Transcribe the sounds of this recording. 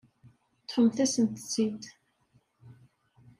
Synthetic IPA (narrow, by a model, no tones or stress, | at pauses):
t̪ħəmθæsənt̪ə̥t͡sːid̪